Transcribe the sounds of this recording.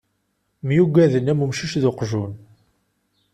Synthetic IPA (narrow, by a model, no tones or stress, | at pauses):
mjuɡʷæðənːæmumʃiʃðʊqʒun